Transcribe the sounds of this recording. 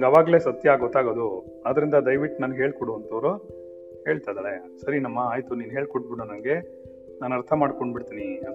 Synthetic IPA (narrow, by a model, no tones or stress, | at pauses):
nɐŋɡɐʋaːɡle̞ːsɐt̪jɐːɡɔt̪ːaːɡoːd̪u | aːd̪ɐɾind̪ɐd̪ɐjʋiʈːnɐnɡɦe̞ːɭkɔɽuɐnt̪ʰɐʋɐɾu | heːɭt̪ajd̪aːɭesɐɾinɐmːɐaːjt̪uniːnɦe̞ːɭkoʈ̚biɽonɐnɡe̞ | naːnɐɾt̪ʰɐmaːɖkoɳɖbiɽt̪iːniɐd̪